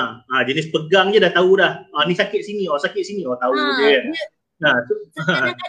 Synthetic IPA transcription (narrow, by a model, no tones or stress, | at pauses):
ad͡ʒənɪspəɡaŋd͡ʒadat̪audahənisakɪt̪̚siniosakɪt̪siniot̪aud͡ʒe | at̪uə